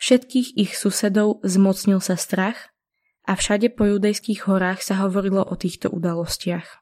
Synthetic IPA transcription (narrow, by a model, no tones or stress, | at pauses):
fʃɛt̪kiːɣixsusɛd̪ɔʊzmɔt͡sɲilsast̪ɾax | ʔafʃaɟɛpɔjud̪ɛjskiːɣɦɔɾaːxsaɦɔʋɔɾilɔʔɔt̪iːxt̪ɔ̰ʔṵd̪alɔscɪax